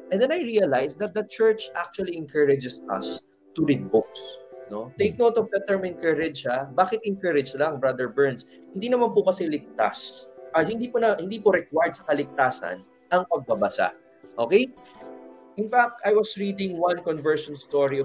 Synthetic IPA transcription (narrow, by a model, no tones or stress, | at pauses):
ʔɛ̃nd̪ɛnɐjɹiɐlajsd̪ɐt̪̚d̪ɐt͡ʃɛɹt͡ʃʔak̚t͡ʃuɐliɛŋkɐɹɛd͡ʒɛsɐ̰s | t̪ʊɾid̪̚bok̚sno̞t̪ejk̚nowt̪ɔfd̪ɛt̪ɛɹmɪ̃n̚kɛɾɛd͡ʒʃabaːkɪt̪̚ɪŋkɐɾɪd͡ʒlɐŋbɹɐd̪ɛɹbɛɹns | hɪnd̪iːnɐmanpʊkɐsɛlɪk̚t̪a̰sʔɐhɪnd̪iponɐhɪnd̪iːpoɾɛkwajd̪̚sɐkɐlɪk̚t̪aːsɐ̰n | ʔɐŋpɐɡ̚bɐbɐsa̰ | ʔo̞ːkej | ʔɪnfak̚t̪ajwɐsɹiːd̪ɪ̃ŋwɐnkɔnvɛɹʃɔnst̪oɹi